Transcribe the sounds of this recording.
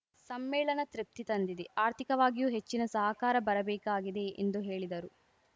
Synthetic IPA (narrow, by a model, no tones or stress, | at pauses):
sɐmːɛːɭɐnɐt̪ɾip̚t̪it̪ɐnd̪id̪eʔaːɾt̪ʰikɐʋaːɡijuːɦet͡ʃːinɐsɐɦɐkaːɾɐbɐɾɐbɛːkaːɡid̪e̞ʔḛnd̪uɦeːɭid̪ɐɾu